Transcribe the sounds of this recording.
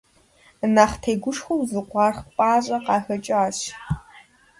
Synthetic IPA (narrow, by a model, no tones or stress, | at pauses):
naːχtʰejɡʷʊʂxʷʊwzɨqʷɑːrχpʼaːɕʼɐqɑːxɐt͡ʃʼɪaːɕ